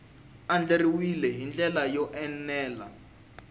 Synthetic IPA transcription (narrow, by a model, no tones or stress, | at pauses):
and͡ɮeriwilɛɦind͡ɮɛlajɔʔɛnɛːla